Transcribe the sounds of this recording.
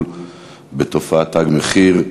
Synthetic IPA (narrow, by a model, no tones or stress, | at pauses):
l | bet̪ofaat̪aɡmeχiʁ